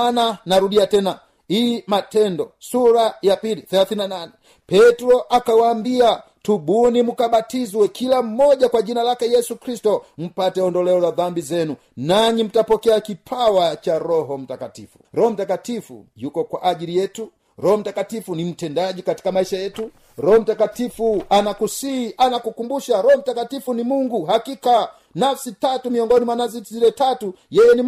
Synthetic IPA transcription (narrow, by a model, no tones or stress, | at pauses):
nanaɾuɗiatɛna | imatɛndɔsuɾajapiliθɛlaθinananɛ | pɛtuɾɔʔakawaːmbia | tuɓunimukaɓatizwɛkʰilam̩mɔʄakwad͡ʒinalakɛjɛsukɾistɔm̩patɛɔndɔlɛɔzaðambizɛnu | naɲim̩tapɔkɛakipʰawat͡ʃaɾɔɦɔm̩takatḭfu̥ɾɔhɔm̩takatifṵjukɔkwaʔaʄilijɛtu | ɾɔhɔm̩takatifunim̩tɛndaʄikati̥kamaiʃajɛtu | ɾɔhɔm̩takatifuanakusiʔanakukumbuʃaɾɔhɔm̩takatifunimuŋɡuɦakika | nafsitatumiɔŋɡɔnimwanazizilɛtatu | jɛjɛni